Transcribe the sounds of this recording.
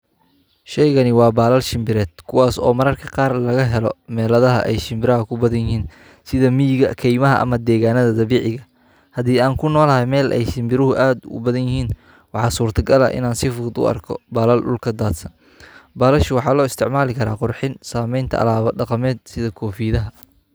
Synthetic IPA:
ʃɛjɣɐnɪwɑːbaːlɐlʃɪmbɪɾɛːd̪̥̚kʰʊwɑːsɔːmɐɾɐrkʰɐqɑːrlɐɣɐɦɛlɔmɛːlɐðɐɦɐʔɛjʃɪmbɪɾɐɦɐkʰʊbɐðɐnjɪɦiːn | sɪðɐmiːɣɐkʰɛjmɐɦɐʔɐ̰mɐd̪ɛːɣaːnɐðɐd̪ɐβiːʕɪɣɐ | hɐd̪iːaːŋkʰʊnɔːlɐɦɛjmɛːlʔɛ̰jʃɪmbɪɾɪɦʊʔaːd̪ʊ̰bɐðɐnjɪɦiːn | wɑħɑːsuːrt̪ʰɐɡɐlɐ̰ʔɪ̰naːnsɪfʊd̪ʊ̰ɐ̰rkʰɔ̰baːlɐlɗʊ̰lkʰɐd̪aːd̪sɐn | baːlɐʃʊwɑħɑːlɔːɪst̪ʰɪʕmaːlɪkʰɐɾa̰ːqʊrħɪnsaːmɛjnt̪ʰɐ̰ʔɐ̰laːβɐɖɑqɑmɛːd̪̚sɪðɐkʰɔːfiːðɐɦɐ

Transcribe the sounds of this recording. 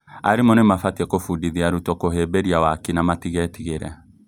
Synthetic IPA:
aɾemɔnemafatɛkofudiðiaɾutɔkoɦebeɾiawakinamatiɣɛtiɣeɾɛ̰

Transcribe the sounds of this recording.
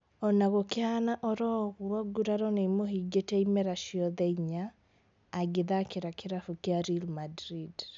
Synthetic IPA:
ɔnaɣokeanaʔɔɾɔɣuaɡuɾaɾɔnemoɦiɡetɛimɛɾaʃiɔðɛiɲaː | ɡeðakeɾakeɾafukeaɾilmadɾid

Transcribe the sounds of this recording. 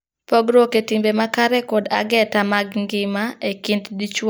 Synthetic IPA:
pɔɡɾoketimbemakaɾɛkɔdaɡɛtamaɡŋɡɪmaekintdit͡ʃw

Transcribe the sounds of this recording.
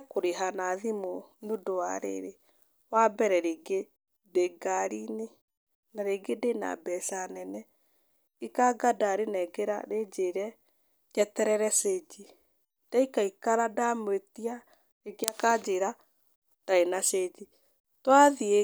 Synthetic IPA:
koɾeɦanaðimonudowa̰ɾḛɾe | wabɛɾɛɾeɡe | deɡaɾine | naɾeɡedena̰bɛsanɛnɛ | ikaɡadaɾenɛɡeɾa̰ɾed͡ʒeɾɛ | d͡ʒɛtɛɾɛɾɛsed͡ʒi | d̥aikaikaɾadamwetia | ɾeɡeakad͡ʒeɾa | d̥aenased͡ʒi | twaðie

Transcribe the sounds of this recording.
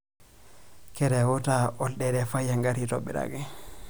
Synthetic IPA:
kɛɾɛwɔtaʔɔlɗɛɗɛfajːaŋɡaɾitɔɓːɛ̰ɗa̰ɡɛ

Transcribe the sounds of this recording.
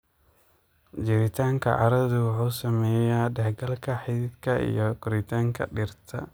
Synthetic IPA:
d͡ʒɪɾɪt̪ʰaːŋkʰɐ̰ʔɑ̰ɾɐðʊwʊħuːsɐmɛːjaːɖɛħɡɐlkʰɐħidɪd̪kʰɐʔḭjɔkʊɾɪt̪ʰaːŋkʰɐ̰ɗɪrt̪ʰɐ̰

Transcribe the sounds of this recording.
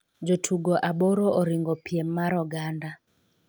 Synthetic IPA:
d͡ʒotʰuɡoʔaboɾoʔoɾɪŋɡɔpjemːaɾɔɡanda

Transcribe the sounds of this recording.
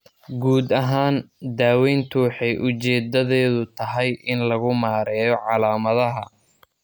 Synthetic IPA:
ɡuːd̪ɐɦaːnd̪aːwɛjnt̪ʰʊwħɛjʔʊt͡ʃɛːd̪ɐðɛːðʊt̪ʰɐɦɛjʔɪnlɐɣʊmaːɾɛːjɔʕɑlaːmɐðɐɦɐ

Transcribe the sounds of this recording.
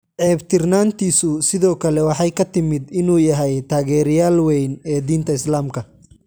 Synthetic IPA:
ʕɛːbt̪ʰɪrnaːnt̪ʰiːsʊsɪðɔːkʰɐlɛwɑħɑjkʰɐt̪ɪmɪd̪ɪnuːjɐɦɛjt̪ʰaːɣɛːɾɪjaːlwɛjnɛːd̪iːnt̪ʰɐɪslaːmkʰɐ

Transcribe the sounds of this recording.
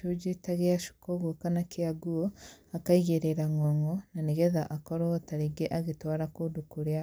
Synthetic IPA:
ud͡ʒetaɣeaʃu̥koɣwokanakiaɡuoakaiɣeɾeɾaŋoŋonaniɣeðaʔakoɾotaɾiɡeʔaɣitwaːɾakudukuɾja

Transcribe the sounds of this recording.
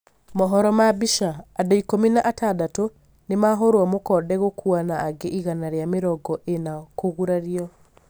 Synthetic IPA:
mɔɦɔɾɔmabiʃaːdaikominaʔatadato | nemaɦoɾwamokɔːdɛɣokʰuanaːɡeʔiɣanaɾeameɾɔɡɔʔenakoɣuɾaɾiɔ

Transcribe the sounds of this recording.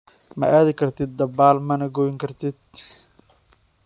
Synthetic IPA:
mɐ̰ʔaːðɪkʰɐrt̪ʰɪd̪̚ːɐbaːlmɐnɐɡɔjɪŋkʰɐrt̪ʰɪd̪̚

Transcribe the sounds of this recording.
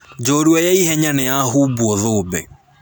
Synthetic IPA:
d͡ʒoːɾuɔjɛihɛɲanɛjaɦuːbuɔðoːbḛ

